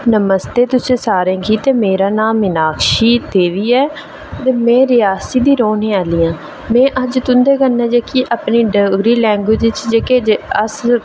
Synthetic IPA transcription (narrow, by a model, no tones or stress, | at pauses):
nəməst̪eːt̪ʊsẽːsaːɾẽːkiːt̪eːmeːɾaːnaːmːɪnaːkʃiːt̪eːʋiːɛː | t̪eːmɛ̃ːɾɪjaːsiːd̪iːɾoːnẽːaːliːãː | mɛ̃ːʔəd͡ʒt̪ʊnd̪eːɡənːɛ̃ːd͡ʒeːkiːʔaːpniːɖəɡɾiːlɛ̃ːŋɡwɪd͡ʒɪt͡ʃd͡ʒeːkeːd͡ʒəs